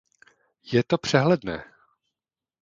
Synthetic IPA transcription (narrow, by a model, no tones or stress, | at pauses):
jɛt̪opr̝̥ɛɦlɛdnɛ̰ː